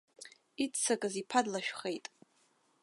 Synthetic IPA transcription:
it͡sʰːakʼɨzipʰadlaʃᶣχe̞jtʼ

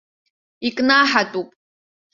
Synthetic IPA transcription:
ikʼnaːħatʼupʼ

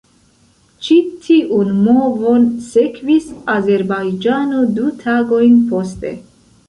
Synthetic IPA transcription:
t͡ʃitʰiʔunmovonsekvisaze̞ɾbajd͡ʒanodutʰaɡo̞jnpo̞stḛ

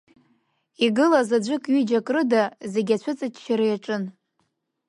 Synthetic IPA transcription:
iɡɨlazad͡ʒʷɨkʼɥid͡ʒakʼrɨdaze̞ɡʲat͡ɕʷʰʊt͡sʼat͡ʃʰʼʃʰaɾɨjaʈ͡ʂʼɨn

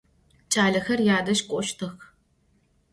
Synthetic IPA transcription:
t͡ʃʼaːɮɐxɐrjaːdɐʃkʷʼɔʃtʰɨx

